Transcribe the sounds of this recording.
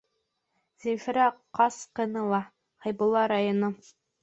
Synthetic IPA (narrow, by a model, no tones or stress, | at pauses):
zifɾæqɑsqɤ̆nɤlˠɑ | hɑjbŭlˠɑɾajono